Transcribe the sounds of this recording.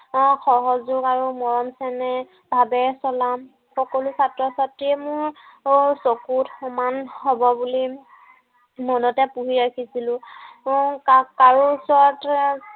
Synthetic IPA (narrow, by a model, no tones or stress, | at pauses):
xɔɦɔzʊkaɹumɔɹɔmsɛnɛ | bʱabɛsɔlam | xɔkɔlusatɹɔsatɹiɛmʊɹsokutxɔmanhɔbɔbuli | mɔnɔtɛpuɦiɹakʰisilʊ̃ | kkaɹusɔt